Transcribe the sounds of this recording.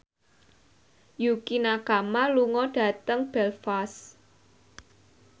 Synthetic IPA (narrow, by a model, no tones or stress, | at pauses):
jukinakamaluŋɔɖ̥ä̤t̪əŋb̥ɛlfas